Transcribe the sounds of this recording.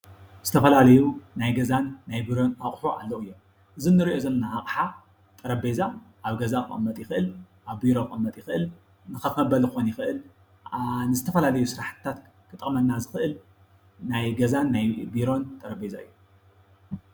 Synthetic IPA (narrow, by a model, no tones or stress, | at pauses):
z̥ɨt̪ʰɐfɐlalɐjunajɡɐzanːajbiɾo̞naχʼħuʔa̰lːowɨjːo̞m | ʔɨzinːɨɾiʔozɐlɐnaʔakʼħa | t̪ʼɐɾɐbezaʔaβɡɐzaʔʼɨ̰mːɐt̪ʼjɪxʔɨl | ʔaβbiɾo̞ɨmːɐt̪ʼjɪxɨʔɨl | nɨkɐmɐbɐlxonjɪxɨʔɨl | nɨzɨt̪ʰɐfɐlalɐjusɨɾaħt̪t̪ʰːat̪ | kʰɨt̪ʼɨmɐnnːazɨxɨʔɨl | najɡɐzanːajbiɾo̞nt̪ʼɐɾɐbezaɨ̰jːu